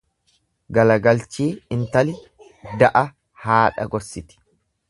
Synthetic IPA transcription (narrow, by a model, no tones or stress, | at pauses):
ɡɐlɐɡɐlt͡ʃiːɪnt̪ɐlɪ | d̪ɐʔɐ | haːᶑɐ̰ɡɔɾsɪt̪ɪ̥